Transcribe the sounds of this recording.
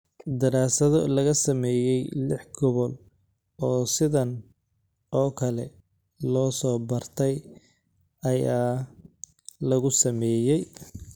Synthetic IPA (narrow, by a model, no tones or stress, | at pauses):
d̪ɐɾaːsɐðɔ̰lɐɣɐsɐmɛːjɛjlɪħɡɔβɔl | ɔːsɪðɐn | ʔɔːkʰɐlɛ | lɔːsɔːbɐrt̪ʰɛj | ɐjaː | lɐɣʊsɐmɛːjɛj